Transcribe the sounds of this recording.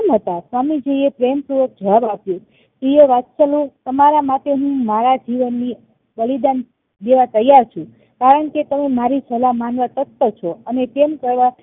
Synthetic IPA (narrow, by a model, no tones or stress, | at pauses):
mɦət̪asʋamid͡ʒeiepɾempɾuʋək̚d͡ʒʱəabapju | t̪ujeʋat̪səlot̪əmaɾamat̪eɦũmaɾad͡ʒiʋənːi | bəlid̪an | d̪eʋat̪əjaɾt͡ʃʰũ | kaɾəɳket̪əmemaɾisəlamanʋat̪ət̪ːət͡ʃʰɔənet̪emkəɾʋa